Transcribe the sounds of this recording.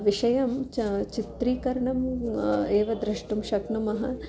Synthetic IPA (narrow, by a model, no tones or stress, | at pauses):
ʋiʃɐjɐmt͡ʃit̪ɾiːkɐɾɐɳɐm | eːʋɐd̪ɾiʂʈumʃɐknɐmɐɦɐ̰